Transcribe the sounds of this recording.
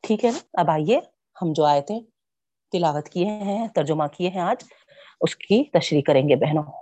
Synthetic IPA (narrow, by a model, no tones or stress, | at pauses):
ʈʰiːkɦɛɐbaːie | hɐmd͡ʒoaːjet̪ɦɛ̃ | t̪ɪlaːɣət̪kieɦɛ̃t̪ɐɾd͡ʒʊmãkieɦɛ̃aːd͡ʒ | ʊskit̪ɐʃɾiːkːɐɾẽːŋɡebɛɦnoː